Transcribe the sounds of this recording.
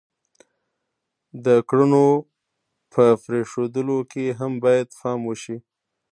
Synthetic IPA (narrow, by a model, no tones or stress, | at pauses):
d̪əkɽəno | pʰəfɾeʂod̪əlokeɦambɑjad̪xɑmwəʃi